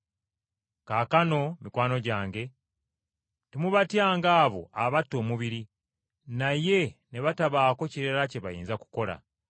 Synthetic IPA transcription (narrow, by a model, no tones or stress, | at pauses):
kaːkano̞mikwaːno̞ɟaːŋɡe̞ | temuβatjaːŋɡaːβo̞̰aβatːo̞ːmuβiɾi | naje̞ne̞βataβaːko̞ciɾeɾace̞βajḭːnzaku̥ko̞la̰